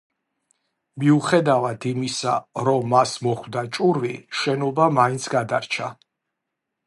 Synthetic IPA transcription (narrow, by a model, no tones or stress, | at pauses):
miuχɛd̪avad̪imisaɾɔmːasmɔχwd̪at͡ʃʼuɾviʃɛnɔbamaint̪sʰɡad̪aɾt͡ʃʰa